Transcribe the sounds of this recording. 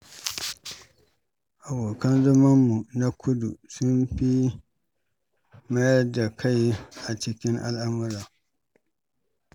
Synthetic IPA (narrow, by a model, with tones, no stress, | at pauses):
ʔa˨boː˨kɐ˦nzɐ˦ma˦mːu˨na˦kʰʊ˦dṵ˨sʊ˦mɸi˦ | ma˦jɐ˦da˨kʰa˦jʔa˨t͡ʃɪ˦kʲɪ˦ŋʔa̰˦lʔa˦mʊ˦ɾaː˨